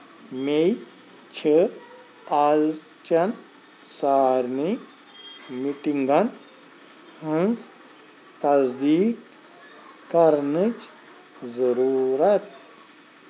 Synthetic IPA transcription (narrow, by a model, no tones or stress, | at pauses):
mej | t͡ʃʰə | az | t͡ʃɐn | saːɾni | miʈiŋɡan | hɐ̃nz | t̪ɐzd̪iːkː | ɐɾnət͡ʃ | zɐɾuːɾɐt̪̚